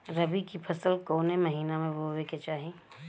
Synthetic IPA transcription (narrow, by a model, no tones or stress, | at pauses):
ɾɐbikipʰɐsəlkoːnemɐɦiːnamẽʋoːweket͡ʃaːɦẽː